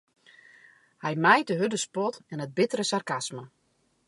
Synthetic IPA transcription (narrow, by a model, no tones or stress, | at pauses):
hɛjmɛjtəɦødəspɔtɛnəd̚bɪtəɾəsarkasmə